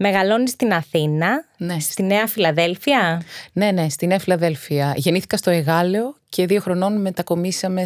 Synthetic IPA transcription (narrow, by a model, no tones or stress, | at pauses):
me̞ɣɐlo̞nist̪inɐθinɐnsst̪ine̞ɐfilɐðe̞lfiɐne̞ne̞st̪ineɐfilɐðe̞lfiɐʝe̞niθi̥kɐst̪o̞e̞ɣɐleoce̞ðio̞xɾo̞no̞nme̞t̪ɐko̞misɐme̞